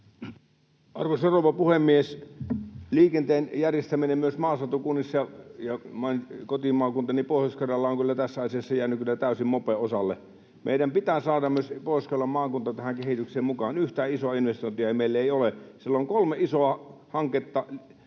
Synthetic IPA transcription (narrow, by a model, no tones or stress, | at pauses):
ɑrʋoseroʋɑpuhemːies | liːkent̪eːnjærjest̪æminemmyøsmɑːsɑt̪ukunːisːɑjɑjɑmɑnkot̪imɑːkunt̪ɑnipoˑihjoskɑrɑlːɑoŋkylːæt̪æsːæɑsiɑsːɑjæːnykkylːæt̪æˑysimmopeosɑlːḛ | mḛˑiɾæmpit̪æsɑːdɑmyøspoˑioskɑlːɑmmɑːkunt̪ɑt̪æhæŋkehit̪ykseːmmukɑːnyht̪æːisoɑinʋest̪oˑint̪iɑimeˑilːæeˑiolesilːoŋkolmeʔisoɑhɑŋket̪ːɑ